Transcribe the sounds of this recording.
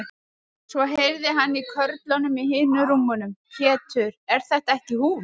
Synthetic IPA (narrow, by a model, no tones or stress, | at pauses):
svɔɦejvðɪɦanːikʰœɾt̪lanʏmiɦɪːnːʏɾumːɔnʏmçɛːt̪ʰʏɾɛɾ̥θɛht̪aɛhcɪhuː